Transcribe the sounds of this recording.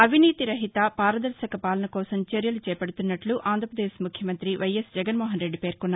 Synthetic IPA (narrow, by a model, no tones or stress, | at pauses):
ɐʋʱiniːt̪iɾɐɦit̪ɐpaːɾɐd̪ɐɾʃɐkɐpaːlɐnɐkɔːsɐmt͡ʃeɾjɐlut͡ʃɛːpɐɽut̪unːɐʈluʔaːnd̪ʱɾɐpɾɐd̪eːsmukʰjɐmɐnt̪ɾiʋɐjesd͡ʒɛɡɐnmɔːɦɐnɾe̞ɖːipe̞ːɾkunːaː